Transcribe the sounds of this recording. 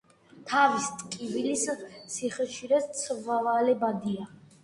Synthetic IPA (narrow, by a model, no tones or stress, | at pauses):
t̪ʰavist̪ʼkʼivilissiχɛʃiɾɛst̪sʰvavalɛbad̪ia